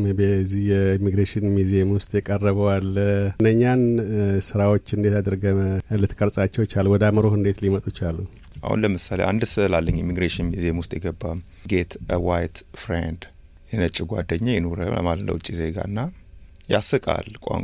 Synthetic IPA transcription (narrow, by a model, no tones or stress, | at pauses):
mebezihjɛimiɡɾeʃɪnmizijemwʊst̪ʼjɛkʼərːəβəwalɨnːəɲːansɨɾawot͡ʃːɨnd̪e̞t̪ad̪əɾɡəlɨt̪kʼəɾsʼat͡ʃːɛwt͡ʃalwɔd̪aməɾohɨnd̪e̞t̪limət̪ʼut͡ʃalːu | ʔa̰hṵnləmɨsaleʔand̪sɨɨlalːəɲːjimiɡɾeʃɪnmiziemwʊst̪ʼjɛɡəbːa | ɡe̞t̪əwajt̪fɾend̪ | jɛnət͡ʃʼːɪɡʷa̰d̪əɲːajɛnoɾə̰ə̰mallə̰wt͡ʃʼːizeɡa̰ɨnːa | jasɨkʼa̰lkʷʼa̰